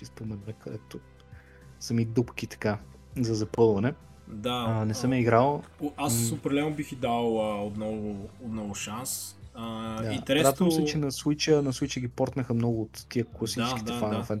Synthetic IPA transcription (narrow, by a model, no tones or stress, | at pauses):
ispomɛnəkɐd̪ɛt̪o | sɐmid̪upkit̪ɐ̥ka | zɐzɐpɤlˠvɐnɛ | d̪aənɛsəmjəiɡɾalˠassopɾɐlɛnʊbixid̪alˠəot̪nɔvʊot̪nɔvʊʃansəd̪aint̪ɛɾɛɾad̪əmssɛt͡ʃɛnɐswit͡ʃənɐswit͡ʃəɡʲipɔɾt̪nəxəmnɔɡʊːt̪ːiəklˠɐsit͡ʃɛskiɛfanofɛn